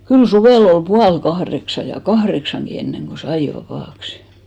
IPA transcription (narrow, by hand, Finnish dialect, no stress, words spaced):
kyl suʋeˑl ol puɑlkɑhreksɑ jɑ kɑhreksɑŋɡ̊i enːeŋɡ̊o sɑi ʋɑpɑˑksi̥